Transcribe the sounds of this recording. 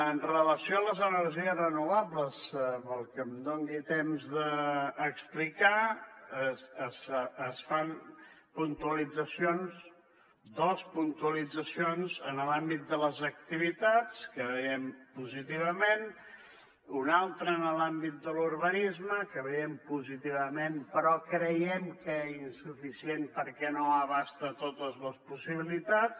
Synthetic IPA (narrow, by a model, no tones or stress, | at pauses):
ənrələsioələzənəɾʒiəzrənuβapləspəlˠkəmd̪oŋɡit̪emzðəːksplika | səsəsfanpunt̪uəlid͡zəsionz | d̪ospunt̪uəlid͡zəsionzənəlambit̪̚d̪ələzək̚t̪iβ̞it̪at͡skəβəjɛmpuzit̪iβ̞əmen | unalˠt̪ɾəːnəlambit̪̚d̪əluɾβənizməkəβəjɛmpuzit̪iβəmenpəɾɔkɾəjɛmkəɛinsufisienpəɾkɛnoəβast̪ət̪ot̪əzləspusiβ̞ilit̪at͡s